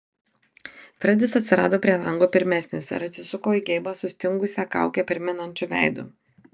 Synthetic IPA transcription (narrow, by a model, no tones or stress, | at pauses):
fɾɐd̪ʲɪsɐt̪ʲsʲɪɾɑːd̪oːpʲɾʲiɛlˠɐŋɡoːpʲɪɾʲmʲæːsʲnʲesʲɛ̰ɾɐt͡ʃ̪ʲɪsʊkoːiɡʲɛɪbɐsʊsʲt̪ʲɪŋɡʊsʲɛkɑ̰ˑʊkʲɛpʲɪɾʲmʲɪnɐnʲt͡ʃʲuʋʲæ̰ˑɪd̪ʊ̰